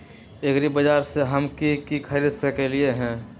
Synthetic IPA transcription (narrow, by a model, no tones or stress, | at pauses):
ekɾibəd͡ʒaːɾseɦəmkikikʰəɾɪsəkelieɦɛ̃ː